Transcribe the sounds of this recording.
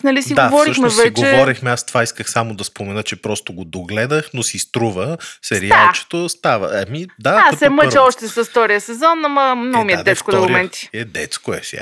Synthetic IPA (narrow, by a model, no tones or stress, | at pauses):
nɐlisiɡd̪aovɔɾiʃmɛvɛɡt͡ʃoɛvɔɾixmɛast̪ovaiskəxsamod̪ɐspomɛnət͡ʃɛpɾɔst̪oɡod̪oɡlɛd̪əxnosist̪ɾuvəsɛɾialˠt͡ʃɛ̥t̪ost̪avə̰ɐmid̪asɛməɾɛɔʃt̪ɛsɐfft̪ɔɾijəsɛzɔnɐmɐmnɔmiɛd̪ɛskod̪oɡomɛnt̪i̥ɛd̪ɛt̪skoɛsa̰